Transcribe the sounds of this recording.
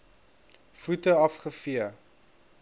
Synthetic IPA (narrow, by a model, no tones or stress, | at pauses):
futəɐfχəfiə